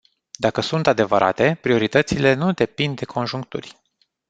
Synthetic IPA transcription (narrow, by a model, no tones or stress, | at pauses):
d̪akəsunt̪ad̪e̞vəɾʔa̰t̪e̞pɾio̞ɾit̪ət̪sile̞nud̪e̞pind̪ːe̞kʰo̞nʒuŋk̚t̪ṵrʲ